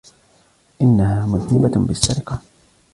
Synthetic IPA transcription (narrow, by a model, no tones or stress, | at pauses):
ʔɪnːahaːmʊnɪbabɪsːaɾɪqɑ